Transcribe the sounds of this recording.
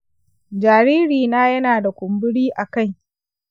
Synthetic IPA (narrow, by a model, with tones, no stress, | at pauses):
d͡ʒaː˨ɾiː˦ɾiː˨naː˦jɐ˦naː˨da˨kʷʊ˨mbɪ˦ɽiː˦ʔa˨ka˦˨j